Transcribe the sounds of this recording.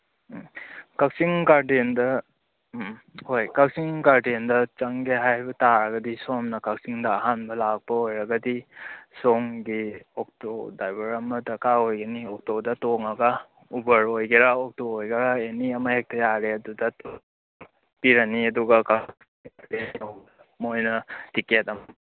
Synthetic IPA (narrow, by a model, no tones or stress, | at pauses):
kak̚siŋkaɾdendɐ | mhojkak̚siŋkaɾdendɐt͡ʃɐŋɡeɦajhajbɐtaɾɐɡɐdisomnɐkak̚siŋdɐːɦanbɐlak̚pɐojɾɐɡɐdisɔŋɡiɔk̚todajbɐɾɐmɐdɐkaojɡɐniɔk̚todɐtoŋɐɡɐ | ubɐɾojɡeɾaok̚toojɡɐɾaeniɐmɐhek̚tɐjaɾeɐdudɐto | piɾɐniɐduɡɐkaiŋkaɾtenoŋ | mojnɐtiketɐmɐ